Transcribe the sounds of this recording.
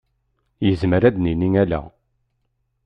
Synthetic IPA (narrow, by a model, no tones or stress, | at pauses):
jəzməɾæd̪niniŋælæ̰